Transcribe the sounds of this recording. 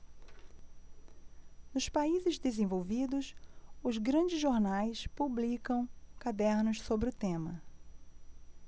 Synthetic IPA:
nʊspaizɪzd̪ezẽvowvid̪ʊsʊzɡɾɐ̃d͡ʒɪzʒoɾnajspublikɐ̃w̃kad̪ɛɾnʊʃsobɾɪʊt̪ẽmɐ

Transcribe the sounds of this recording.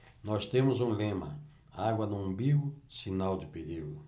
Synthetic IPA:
nɔst̪ẽmʊzũlẽmɐ̰ | aɡwɐnũbiɡʊsinawd̪ɪpeɾiɡʊ

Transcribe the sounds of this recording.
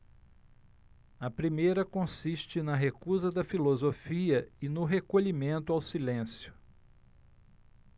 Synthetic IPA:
ɐpɾimejɾɐkõsiʃt͡ʃɪnɐɦekuzɐd̪ɐfilozofiɐɪnʊɦekoʎimẽnt̪ʊawsilẽsjʊ̥

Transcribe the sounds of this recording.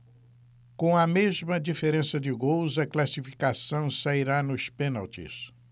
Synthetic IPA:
kõw̃ɐmezmɐd͡ʒifeɾẽsɐd͡ʒɪɡowzɐklasifi̥kasɐ̃w̃saiɾanʊspẽnalt͡ʃḭs

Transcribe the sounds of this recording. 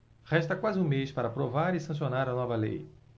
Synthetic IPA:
ʁɛʃt̪ɐkwazɪũmejspaɾɐpɾovaɾɪsɐ̃sionaɾɐnɔvɐlḛj

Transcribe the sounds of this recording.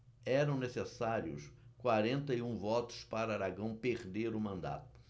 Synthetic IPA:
ɛɾɐ̃w̃nesesaɾjʊ̰skwaɾẽnt̪ɐiũvɔt̪ʊ̥ʃpaɾɐaɾaɡɐ̃w̃peɾd̪eɾʊmɐ̃nd̪a̰t̪ʊ̥

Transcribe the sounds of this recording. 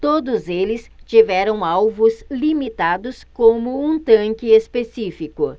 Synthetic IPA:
t̪od̪ʊzelɪst͡ʃivɛɾɐ̃w̃awvʊzlimit̪ad̪ʊskõmʊũt̪ɐ̃ŋkɪespesifikʊ

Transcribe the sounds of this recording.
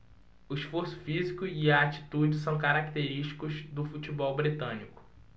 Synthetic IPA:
ʊiʃfoɾsʊ̥fizikʊiaːt͡ʃi̥t̪ud͡ʒɪs̬ɐ̃w̃kaɾakt̪eɾiʃt͡ʃi̥kʊzd̪ʊfut͡ʃibɔwbɾit̪ɐ̃nikʊ̥

